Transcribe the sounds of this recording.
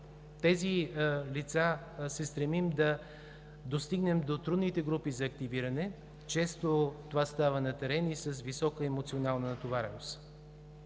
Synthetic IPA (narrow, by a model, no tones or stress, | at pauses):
t̪ɛzilit̪sa | sɛst̪ɾɛmimd̪ɐ | d̪ost̪iɡnɛmd̪ot̪ɾud̪nit̪ɛɡɾupizɐːkt̪iviɾɐnɛ | t͡ʃɛst̪ot̪ovast̪avənɐt̪ɛɾɛnisɐsvisɔkəɛmot̪sionalˠnət̪ovaɾɛnos